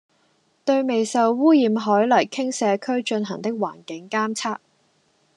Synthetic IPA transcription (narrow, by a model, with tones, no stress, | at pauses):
t̪ɵ˧ɥme˨jsɐ˨˧wːuː˥jiː˨˧mɦɔː˨˥jlɐ˨˩jkʰɪ˥ŋsɛː˨˧kʰɵ˥ɥt͡ʃɵ˧nɦɐ˨˩ŋt̪ɪ˥k̚wa̰ː˨˩nkɪ˨˥ŋkaː˥mt͡sʰaː˥k̚